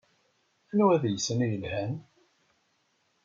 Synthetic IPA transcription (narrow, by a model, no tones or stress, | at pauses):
ænuæðjəsːənijəlhæn